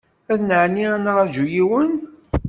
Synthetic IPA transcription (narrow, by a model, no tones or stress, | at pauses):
æðnəʕniænɾˤɑd͡ʒujiwən